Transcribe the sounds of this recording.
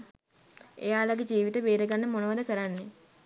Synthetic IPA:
ḛjaːlaɡed͡ʒiːʋit̪əbeːɾəɡanːəmonoʋəd̪əkəɾanːe

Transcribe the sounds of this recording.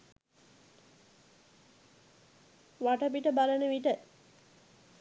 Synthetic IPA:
ʋaʈəpiʈəbalənəʋiʈə

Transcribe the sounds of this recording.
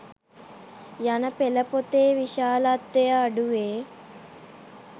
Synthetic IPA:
jɐnɐpɛlɐpot̪eːʋiʃaːlɐt̪ːejɐːɖuʋeː

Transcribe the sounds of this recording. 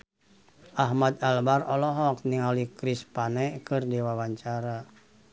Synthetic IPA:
ʔaɦmad̪albarɔlɔɦɔkniŋalikɾispanɛkɨrdiwawaɲt͡ʃaɾa

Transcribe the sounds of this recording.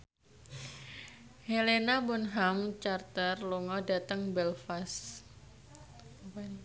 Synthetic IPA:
helenabɔnɦamt͡ʃart̪ərluŋɔdat̪əŋbɛlfas

